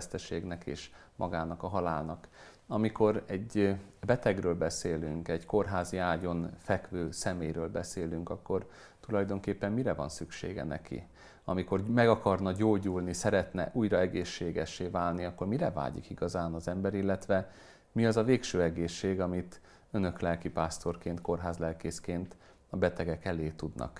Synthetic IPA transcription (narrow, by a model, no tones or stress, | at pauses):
st̪ɛʃeːɡnɛkḛːʃmʔɒ̰ɡaːnɒkɒɦɒlaːlnɒk | ɒmiko̞rɛɟbɛt̪ɛɡrøːlbɛseːly̰ŋkɛɟko̞rɦaːziaːɟo̞nfɛkʋøːsɛmeːjɾøːlbɛseːlyŋkɒkːo̞r | t̪ulɒjd̪o̞ŋkeːpːɛmːiɾɛvɒ̰nsykʃḛːɡɛ̰nɛ̰kʰḭ | ɒ̰miko̞rmɛɡɒkɒrnɒɟoːɟuːlnisɛɾɛt̪nɛ̰ʔujrɒɛɡeːʃːeːɡɛʃːeːvaːlniɒkːo̞rmiɾɛva̰ːɟḭkiɡɒzaːnɒzɛmbɛɾilːɛt̪ʋɛ | miɒzɒveːkʃøːɛɡeːʃːeːɡɒmit̪ | ønø̞klɛlkipaːst̪o̞rkeːnt̪ko̞rɦaːzlɛlkeːskeːnt̪ | ɒbɛt̪ɛɡɛkɛleːt̪ud̪nɒ̰k